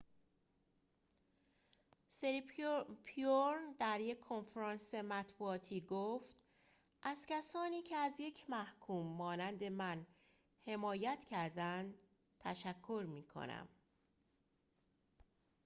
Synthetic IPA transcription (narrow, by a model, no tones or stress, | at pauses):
seɾipʰioɾnd̪æɾjekʰːonfɾɒːnse̞mæt̪buːɒːt̪ʰiːɡoːft̪ | ʔæzcʲʰæsɒːniːcʰeæzje̞cʰmæhkʰuːmːɒːnænd̪e̞mæn | he̞mɒːjæt̪cʰæɾd̪ænd̪ | t̪ʰæʃækʰːo̞ɾmiːkʰo̰næ̰m